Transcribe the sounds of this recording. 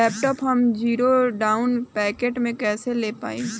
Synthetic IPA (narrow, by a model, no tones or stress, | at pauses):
ɛːpʈɔpɦɐmd͡ʒiːɾoɖaːʊnpɛːkeːʈmẽkɛːseleːpa̰ːẽː